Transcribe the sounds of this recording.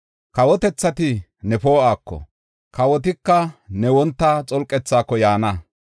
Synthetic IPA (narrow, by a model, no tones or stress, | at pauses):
kɐwɔt̪ɛt͡sːɐt̪ɪnɛfoːʔaːkːɔ̰ | kɐwɔt̪ɪkːɐnɛwɔnt̪ːat͡sʼɔlkʼːɛt͡sːaːkːɔjaːnɐ